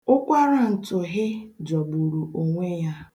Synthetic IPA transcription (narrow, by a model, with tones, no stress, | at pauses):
ʊ˦kʷa˦ɾa˨n̩˨tʊ˨ɦɪ˦d͡ʒɔ˨bu˨ɾu˨o˨ŋʷe˦ja˦